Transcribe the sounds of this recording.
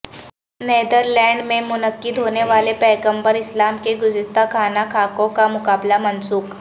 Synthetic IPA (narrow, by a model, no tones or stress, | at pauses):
ned̪əɾlɛ̃ɳɖmemunəkːiːd̪ʱoneʋalepɛjkəmbəɾislamkeɡud͡zit̪akʰanakʰakokamukablamənsuːk